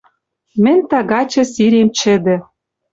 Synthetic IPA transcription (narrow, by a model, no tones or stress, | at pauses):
mɘ̆nʲt̪ɑɣɑt͡ɕɤ̆siɾemt͡ɕɘ̆d̪ɘ̆